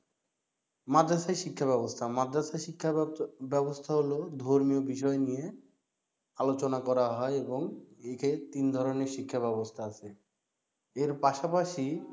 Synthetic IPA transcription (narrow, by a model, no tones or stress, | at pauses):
mad̪ʱːaʃaʃikʰːabɛbost̪ʰamad̪ʱːaʃaikʰːabɛbost̪ʰaɦolod̪ʱoɾmiobiʃ̬ɔenije | alot͡ɕonakɔɾaɦɔeeboŋeket̪ind̪ʱɔɾoneɾʃikʰːaβɛbost̪ʰaat͡ɕʰe | eɾpaʃapaʃi